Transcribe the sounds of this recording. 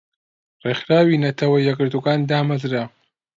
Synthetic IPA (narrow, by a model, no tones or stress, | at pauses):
rexɾaːwinɐt̪ʰɐwɐjɐɡɨɾd̪uɡaːnd̪aːmazɾa